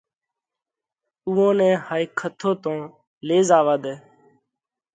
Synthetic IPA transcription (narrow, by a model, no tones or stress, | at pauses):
uːõːnɛ̃ːhaːikʰət̪ʰoːt̪õː | leːzaːʋaːd̪eː